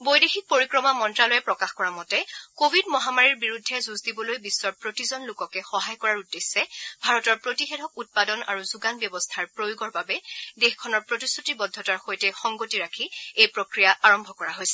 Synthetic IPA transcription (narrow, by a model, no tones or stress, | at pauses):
bojdexik̚poɹikɹɔmamɔntɹalɔjɛpɹɔkaxkɔɹamɔtɛkobʱidmɔɦamaɹiɹbiɹudʱːɛzuzdibɔlojbisːɔɹpɹotizɔnlʊkɔkɛxɔɦajkɔɹaɹudːesːɛbʱaɹɔtɔɹpɹotixɛtʰɔk̚ut̚padɔna̰ɹuzuɡanbjɔbɔstʰaɹpɹojoɡɔɹbabɛdexkʰɔnɔɹpɹotistʰutibɔdʱːɔtaɹxojtɛxɔŋɡotiɹakʰiejpɹokɹijaʔaɹɔmbʱɔkɔɹaɦojsɛ̥